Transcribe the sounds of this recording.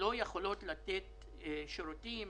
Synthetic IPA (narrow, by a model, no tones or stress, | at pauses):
o̞jeχolo̞t̪lat̪et̪ | ʃoɾut̪im